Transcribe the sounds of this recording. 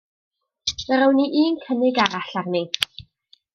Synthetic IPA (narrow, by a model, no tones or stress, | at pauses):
nəɾəwniʔiːnkʰənɪɡaɾaɬarni